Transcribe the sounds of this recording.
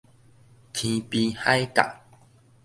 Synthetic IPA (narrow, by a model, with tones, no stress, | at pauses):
t̪ʰĩ˧pi˧ha˦jka̰˨